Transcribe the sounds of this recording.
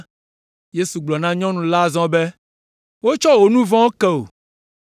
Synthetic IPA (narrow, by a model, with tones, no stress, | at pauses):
je˦su˨ɡ͡blɔ˨nã˦ɲɔ̃˦nũ˨la˦˨zɔ̃˦be˦ | wo˦t͡ʃɔ˦wo˨nũ˦vɔ̃˦wo˦kɛ˦o˨